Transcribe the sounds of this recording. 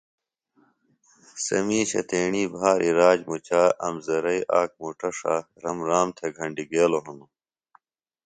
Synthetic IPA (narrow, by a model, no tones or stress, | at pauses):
sɐ̰miːɕɐ̰t̪eːɳiːbʱaːɾiɾaːd͡ʑmut͡ɕaːʔɐmzɐɾɐiʔaːk̚muʈɐʂaː | ɾɐmɾaːmt̪ʰeɡʱɐɳɖiɡeːloɦɐnd̪u